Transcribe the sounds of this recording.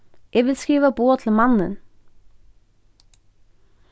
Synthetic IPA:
jʔeːʋɪlskiːʋəboːt̪ʰl̩mɑnə̰n

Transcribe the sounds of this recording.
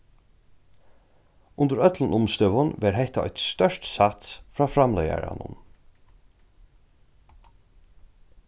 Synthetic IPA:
ʊnd̪əɾœt̪lənʊmst̪ʏʋʊnʋæːɾɦɛht̪aɔɪt̪st̪œʂtsɑt̪fɾɑːfɾɑmlœja̰ɹɑ̰nʊ̰n

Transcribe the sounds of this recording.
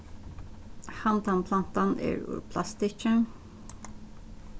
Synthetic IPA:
hɑnt̪anpʰlɑnt̪ɑnæ̰ːɹʉ̰ɾpʰlɑst̪ɪt͡ʃən

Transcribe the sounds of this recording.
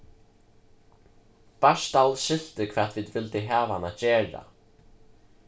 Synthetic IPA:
b̥aʂt̪alʃɪl̥t̪ɪkʰv̥ɛːt̪viːðʋɪlt̪ɪɦaːvanacɛːɹa̰

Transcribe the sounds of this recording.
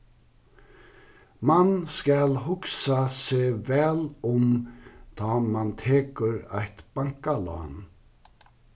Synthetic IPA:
manskɑlɦʊksaseːvɛːlɔmd̪̥ɑːmant̪ʰeːkəɾæɪt̪b̥aŋkalɑ̰ːn

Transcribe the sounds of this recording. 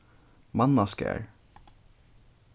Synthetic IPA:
mɑnɑskæ̰ɹ

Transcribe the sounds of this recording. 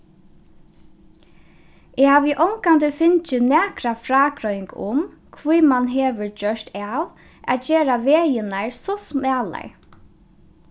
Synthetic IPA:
ɛhaːʋɪʔɔwŋkant̪ɪfɪnt͡ʃɪnæːkɾafɾaːkɾɔjɪŋkʊm | kʰʋijmanɦeːʋʏɹd͡ʒœʂt̪aʋ | a̰t̪d͡ʒeːɾaʋeːjɪnaɹsɔsmæːla̰ɹ

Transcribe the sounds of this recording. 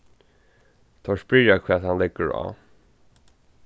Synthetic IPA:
t̪ʰɔʂpɹɪɾakʰvɛːt̪hanlɪɡəɹa̰ː

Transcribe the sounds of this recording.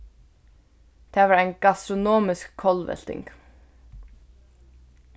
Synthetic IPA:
t̪ʰavaɾajnkast̪ɾʊnɔːmɪskʰːɔlvɛ̰l̥t̪ɪ̰ŋk

